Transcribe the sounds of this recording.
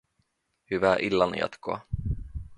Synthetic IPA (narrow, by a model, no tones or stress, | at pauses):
hɵvæːɾʔɪlːanɪ̰a̰t̪ɡo̰ː